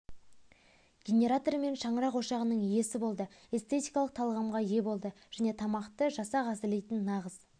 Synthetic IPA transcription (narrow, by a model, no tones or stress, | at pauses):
ɡʲenʲe̞ɾat̪o̞rme̞nʃɑɴəɾɑqwoʃɑʁənəɴije̞sɪbo̞lˠd̪əe̞st̪ʰe̞t̪ijkɑlˠəq̚t̪ʰɑlˠʁɑmʁɑje̞bo̞lˠd̪əʒ̥æne̞t̪ʰɑmɑqt̪əʒɑsɑʁɑsɪlejt̪ɪnːɑʁəz